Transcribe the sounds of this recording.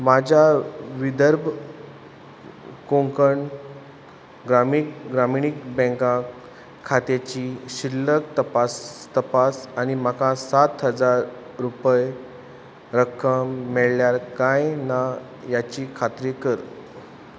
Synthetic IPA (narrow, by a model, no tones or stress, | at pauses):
mad͡ʑʱaʋid̪əɾbʱ | kõŋkəɳ | ɡɾamikɡɾamiɽ̃ik̚bɛ̃ŋkã | kʰːat̪et͡ɕiɕilːək̚t̪əpast̪əpasanim̤akasat̪ɦəd͡zaɾː | upəj | ɾəkʰəmːeɭljaɾkajna | jat͡ɕiːkʰat̪ɾikəɾ